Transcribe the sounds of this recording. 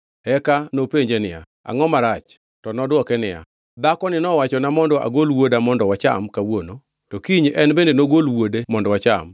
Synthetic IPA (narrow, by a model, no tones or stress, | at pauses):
ɛkanopeɲd͡ʒenɪja̰ | a̰ŋɔmaɾat͡ʃ | tɔnɔdwɔkɛnɪja̰ | d̪akɔnɪnɔwat͡ʃɔnamɔndɔʔa̰ɡolwodamɔndɔwat͡ʃa̰mkawono | tɔkiɲɛnbendenoɡolwodemɔndɔwat͡ʃa̰m